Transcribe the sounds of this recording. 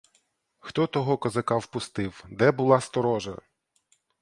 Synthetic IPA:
xt̪ɔt̪ɔɦɔkɐzɐkɑwpʊst̪ɪwd̪ɛbʊlˠɑst̪ɔɾɔʒɐ̰

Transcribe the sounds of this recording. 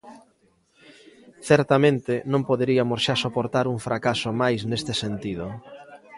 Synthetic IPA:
θɛɾt̪amẽnt̪ɪnõmpoðeɾiamosʃasopoɾt̪aɾuɱfɾakasomajsnest̪ɪsent̪ið̞ʊ

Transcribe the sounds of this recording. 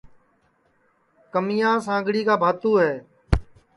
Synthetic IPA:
kəmɪjãːs̬ãːŋɡɽiːkaːbʱaːt̪uːɦɛː

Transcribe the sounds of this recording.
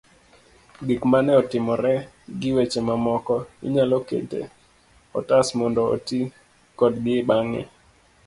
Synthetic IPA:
ɡikmanɛɔtɪmɔɾɛ | ɡɪwet͡ʃemamɔkɔɪ̰ɲalɔkḛtḛ | ɔ̰tasmɔndɔo̰ti | kɔdɡɪɓaŋɛ̰

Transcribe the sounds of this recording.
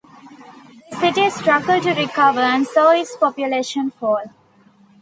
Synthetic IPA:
sɪʈiʈɾʌɡəlʈuɾɪkʌʋəɾə̃nsoːɪspɔpjʊleːʃə̃nfɔːl

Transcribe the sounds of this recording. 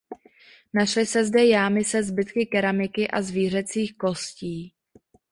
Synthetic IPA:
naʃlɪsɛzdɛjaːmɪsɛzbɪt̪kɪkɛɾamɪkɪʔazviːr̝ɛt͡siːxko̞sciː

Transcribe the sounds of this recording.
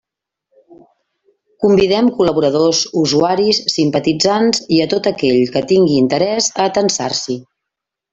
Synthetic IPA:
kumbiðɛmkuləβ̞uɾəðozuzuaɾisːimpət̪id͡zanziət̪ot̪əkɛʎkət̪iŋɡiːnt̪əɾɛzəːt̪ənsarsi

